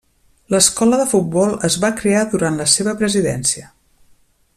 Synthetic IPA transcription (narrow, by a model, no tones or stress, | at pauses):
ləskɔləðəfut̪̚bɔlˠəzβakɾeaðuɾanləseβəpɾəziðɛ̰nsiə